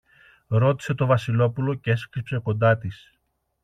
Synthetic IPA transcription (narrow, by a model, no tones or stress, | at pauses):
ɾo̞t̪i̥se̞t̪o̞vɐsilo̞pulo̞cee̞skɾipse̞ko̞nd̪ɐt̪is